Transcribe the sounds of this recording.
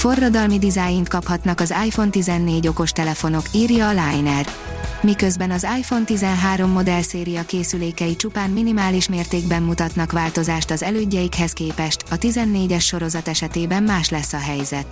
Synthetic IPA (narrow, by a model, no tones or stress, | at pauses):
fo̞rːɒd̪ɒlmid̪izaːjint̪kɒphɒt̪nɒkɒzaːjfo̞nt̪izɛnːeːɟo̞ko̞ʃt̪ɛlɛfo̞no̞kiːrjɒːlaːjnɛr | mikø̞zbɛnɒzaːjfo̞nt̪izɛnɦaːɾo̞mːo̞d̪ɛlseːɾijɒkeːsyleːkɛjit͡ʃupaːnminimaːliʃmeːrt̪eːɡbɛmːut̪ɒt̪nɒkʋaːlt̪o̞zaːʃt̪ɒzɛløːɟːɛjikhɛskeːpɛʃt̪ɒt̪izɛnːeːɟɛʃːo̞ɾo̞zɒt̪ɛʃɛt̪eːbɛmmaːʃlɛsːɒɦɛjzɛt̪